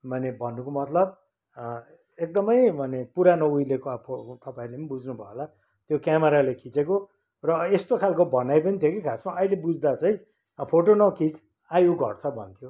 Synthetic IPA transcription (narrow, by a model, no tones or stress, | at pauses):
mʌnebʱʌnːukomʌt̪lʌb̚ | ek̚d̪ʌmʌjmʱʌnepuɾanʌujlekoapʰot̪ʌpaĩlemnbud͡znubʱʌela | t̪jokjameɾalekʰit͡seko | rʌest̪okʰalkobʌnajpʌnit̪ʰjokikʰasmaʔʌilebud͡zd̪at͡saĩ | pʰoʈonʌkit͡s | ajuɡʱʌ̰rt͡sʰʌbʱʌ̰nt̪ʰjo